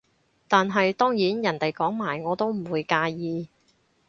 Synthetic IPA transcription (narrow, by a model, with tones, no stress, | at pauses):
t̪aː˨nɦɐ˨jt̪ɔː˥ŋjiː˨˥njɐ˨˩nt̪e˨jkɔː˨˥ŋmaː˨˩jŋɔː˨˧t̪o˥wm̩˨˩wuː˨˧jkaː˧jiː˨˧